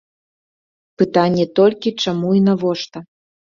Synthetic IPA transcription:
pɨt̪ɑnʲːet̪olʲkʲit͡ʃamuinavoʃt̪a

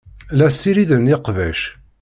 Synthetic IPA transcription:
læsːiɾiðənːiqvæʃ

